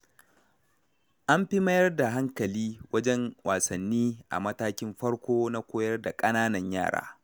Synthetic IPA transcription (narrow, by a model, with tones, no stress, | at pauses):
ʔa˦mɸɪ˦mɐ˦jɐ˦rda˨ɦa˦ŋkɐ˨liː˦wɐ˦d͡ʒɛ˦ŋwaː˨sɐ˨nːiː˦ʔa̰˨mɐ˦taː˦kʲɪ˦mɸɐ˦ɽkʷoː˦na˦kʷoː˦jɐ˦rda˨kʼɐ˦naː˦nɐ˨ɲja̰ː˦˨ɽa̰ː˦